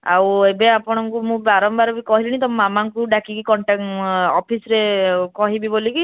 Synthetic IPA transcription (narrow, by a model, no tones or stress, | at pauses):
a̰webeapɔɽ̃ɔŋkumũbaɾɔmbaɾɔbikɔɦiliñit̪ɔmːamaŋkuɖakikikɔɳʈakɔpʰisɾekɔɦibiboliki